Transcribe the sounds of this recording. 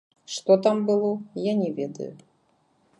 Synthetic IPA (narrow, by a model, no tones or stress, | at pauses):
ʂt̪ɔt̪ambɨlˠɔjanʲɛvʲɛd̪ɐ̰jʊ̰